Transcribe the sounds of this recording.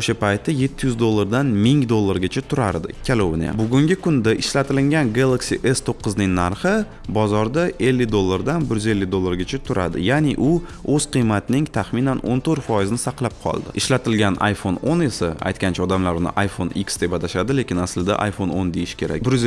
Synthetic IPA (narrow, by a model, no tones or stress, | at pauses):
oʃapajt̪ʰːɪje̞t̪ʰːɪjʏzd̪olˠːaɾd̪anmɪŋd̪olˠːaɾɡʲat͡ʃʰat̪ʰʊɾaɾd̪ɪ̰kʲʰalˠowna̰bʊɡʲʊŋɡʲɪkʰʊnd̪aʔɪʃlat̪ʰɪlɪŋɡʲanɡalˠaksiʔe̞st̪ʰoqːɨznɪŋnaɾχɪ | bɒzɒɾd̪aʔe̞lːɪd̪olˠːaɾd̪anbɪɾjyze̞lːɪd̪olˠːaɾɡʲat͡ʃʰat̪ʰʊɾa̰d̪ɪ̰janeʔʊ | ɵz̥qɨjmat̪ɪnɪŋt̪ʰaχmɪnano̰nt̪ʰɵɾt̪fɒjɪzɪnɪsaqlˠap̚qʰɒ̰lˠd̪ɪ̰ɪʃlat̪ʰɪlɡʲanʔa̰jfonone̞saa̰jt̪̚kʲant͡ʃʰaɒd̪amlaɾʊnɪ̰ʔajfoniksd̪e̞bad̪aʃad̪ɪle̞kʲɪnaslɪd̪a̰ʔa̰jfo̞nond̪e̞jɪʃkʲe̞ɾa̰k̚ʲbɪɾz